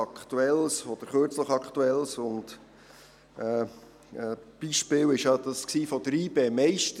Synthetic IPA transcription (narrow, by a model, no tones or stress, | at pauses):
ɑkχt̪uɛlsɔd̥əɾχøːɾt͡sləχɑkt̪uɛlsʊnt | ɛː | ɛb̥iʃpɪːwɪʃjɑdɑsksiːfɔd̪əɾiːbeːmɛɪʃtə